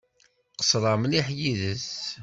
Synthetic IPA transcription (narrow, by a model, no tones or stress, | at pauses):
qə̥sɾˤɑmniħjiðəs